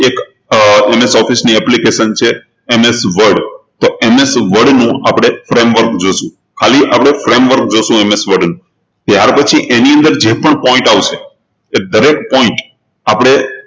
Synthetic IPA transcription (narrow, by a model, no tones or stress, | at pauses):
ek | emesɔfisniɛplikeʃənt͡ʃʰeː | mesʋəɾɖt̪oemesʋəɾɖnũapɽ̃efɾemʋəɾkd͡ʒoʃũ | kʰaliʔapɽ̃efɾemʋəɾk̚d͡ʒoʃũemesʋəɾɖnũ | t̪jaɾpət͡ʃʰiʔeniə̃nd̪əɾd͡ʒepəɳpɔ̃ĩɳʈaʋʃʰe | ed̪əɾek̚ʈ̚pɔɪ̃ɳʈ | apɽ̃e